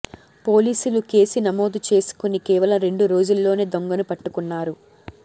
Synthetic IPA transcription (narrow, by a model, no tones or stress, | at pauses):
po̞ːliːsuluke̞ːsinɐmo̞ːd̪ut͡ʃe̞ːsu̥kunikɛːʋɐlɐmɾe̞ɳɖuɾo̞ːd͡ʒulːo̞ːne̞ːd̪o̞ŋɡɐnupɐʈːukunːaːɾu